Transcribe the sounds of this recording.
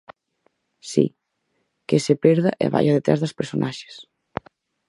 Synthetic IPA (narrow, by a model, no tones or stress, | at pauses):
sḭ | kesepɛɾðaʔḛβa̰jaðet̪ɾa̰zðaspeɾsonʔaʃe̥s